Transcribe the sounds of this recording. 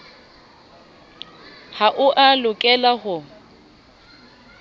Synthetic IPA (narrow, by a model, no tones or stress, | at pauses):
haʔʊʔalʊkʼɛlahʊ